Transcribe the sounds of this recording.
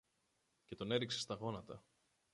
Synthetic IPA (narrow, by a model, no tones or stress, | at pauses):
ce̞t̪o̞ne̞ɾikse̞st̪ɐɣo̞nɐt̪ɐ